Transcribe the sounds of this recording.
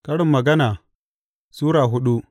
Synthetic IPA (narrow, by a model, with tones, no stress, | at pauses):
kɐ˦ɽɪ˨mːɐ˨ɡɐ˦naː˨ | suː˦ɾaː˨ɦʊ˦ɗu˦ʔ